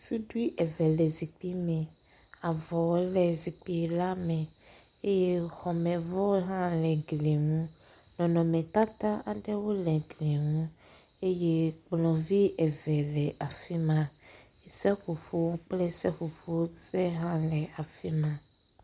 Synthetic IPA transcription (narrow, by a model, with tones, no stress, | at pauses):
su˦ɖu˦i˦ʔɛ˨vɛ˨lɛ˨zi˨k͡pi˦mɛ̃˨ | a˨vɔ˨wo˦lɛ˨zi˨k͡pi˨la˦mɛ̃˨ | e˦je˦xɔ˨mɛ̃˨vɔ˦ɦã˦lɛ˨ɡle˨ŋũ˦ | nɔ̃˨nɔ̃˨mɛ̃˨t̪a˦t̪a˦a˨ɖɛ˦wo˦lɛ˨ɡle˨ŋũ˦ | e˦je˦k͡plɔ̃˨vi˦ʔɛ˨vɛ˨lɛ˨ʔa˨fi˦mã˦ | e˨sɛ˦ɸu˨fo˦wo˦k͡plɛ˦sɛ˦ɸu˨fo˦wo˦sɛ˦ɦã˦lɛ˨a˨fi˦mã˦˨